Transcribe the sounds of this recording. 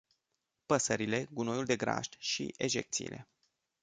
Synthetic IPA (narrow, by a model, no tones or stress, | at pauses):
pəsəɾile̞ɡuno̞juld̪e̞ɡɾa̰ʃt̪ʃḭʔeʒe̞k̚t̪sḭiːlʔe̞̰